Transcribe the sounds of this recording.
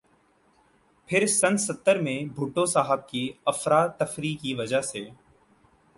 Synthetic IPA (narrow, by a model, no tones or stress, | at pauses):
pʰɪɾsənsət̪ːəɾmẽbʱuːʈosaːɦəb̚kiɐfɾaːt̪ːəfɾiːkiʋɐd͡ʒəɦseː